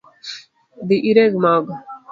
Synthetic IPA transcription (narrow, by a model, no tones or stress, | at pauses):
d̪iʔiɾeɡmaːɡ